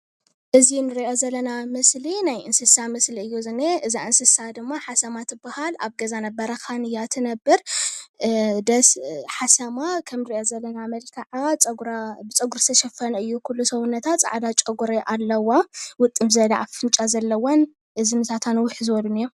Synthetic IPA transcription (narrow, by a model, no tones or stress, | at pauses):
ʔɨzinɨɾiʔozɐlːɐnamɨslinajʔɨnsɨsamɐsliɨjːuzɨnːeʔɨzaʔɨnsɨsad̪ɨmːaħasɐmat̪ɨbahala̰βɡɐzanɐbɐɾɐkʰanɨjat̪ʰɨnɐbːɨɾ | d̪ɐsħasɐmakʰɐmnɨɾiʔozɐlːɐnamɐlkʰɐʕat͡sʼɐɡɾabɨt͡sʼɐɡuɾst̪ʰɐʃɛfɐnɨjːukʰulːusɐβunːɐt̪ʰat̪t͡sʼa̰ʕd̪at͡ʃʼɐɡuɾeʔalːɐwawʊt̪ʼːɨmzɐla̰ʔafɨnt͡ʃʼazɐlːɐwon | ʔɨzinɨsat̪ʰanwʊħzɨwɔlunɨjːo